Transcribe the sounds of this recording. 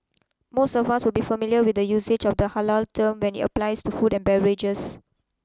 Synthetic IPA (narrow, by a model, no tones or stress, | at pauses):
mostɔvaswɪlbifəmiljəwidəjused͡ʒɔfdəhalaltʰəmwɛ̃nḭtə̰plajstufudɛ̃nbɛɹɪd͡ʒəs